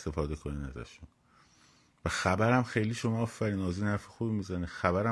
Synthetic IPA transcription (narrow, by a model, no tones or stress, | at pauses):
st̪e̞fɒːd̪e̞kʰoniːnæ̰zæ̰ʃun | væxæbæɾæmxejliːʃomɒːɒːfæɾiːnɒːziːnhæɾfexuːbimizænixæbæɾæ